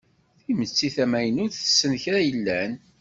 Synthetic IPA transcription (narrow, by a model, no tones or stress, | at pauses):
θimət͡sːiθæmæjənʊɾθə̥sːənçɾæjəlːæn